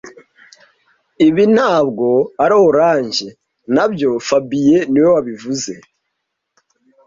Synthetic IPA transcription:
iβin̥haːbɡo̞aɾooɾaːɲʒe̞ | nabjo̞fabije̞niwewaβivuze̞

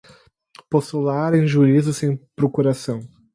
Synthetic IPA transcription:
post̪ulaɾẽj̃ʒuɾizʊsẽj̃pɾokuɾasɐ̃w̃

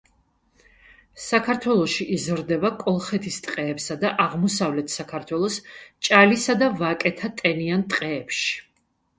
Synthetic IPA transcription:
sakʰaɾt̪ʰwɛlˠɔʃiʔizɾd̪ɛbakʼɔlˠχɛt̪ʰist̪ʼqʼɛːpsad̪aʔaʁmɔsavlɛt̪ʰsakʰaɾt̪ʰwɛlˠɔst͡ʃʼalisad̪avakʼɛt̪ʰat̪ʼɛniant̪ʼqʼɛːpʃi̥

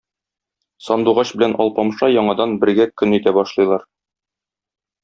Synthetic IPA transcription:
sɒnd̪uʁɑɕbɘ̆lænʔɒ̰lˠpɑmʃɑjɒɴɑd̪ɑnbɘ̆ɾɡækɵnit̪æbɒʃlˠɤ̆jlˠɑɾ

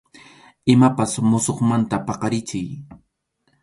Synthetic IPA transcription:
ɪmapasmʊsoχmant̪apɑqɑɾɪt͡ʃɪj

